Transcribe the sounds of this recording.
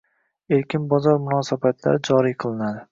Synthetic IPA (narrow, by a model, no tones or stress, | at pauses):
eɾkʲɪnbɒzɒɾmʊnɒsabat̪ʰla̰ɾɪd͡ʒɒɾijqʰɨlˠɪnad̪ɪ